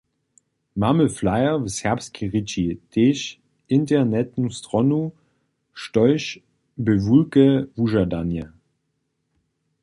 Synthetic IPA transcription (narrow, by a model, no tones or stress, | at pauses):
maməflaɪɐvəshɛɐpst̚kʰiʁit͡ʃid̥eːʃ | ʔɪntɛnɛt̚nustʁɔnu | ʃtɔʏʃ | bəvulkəvuʒɐdanjə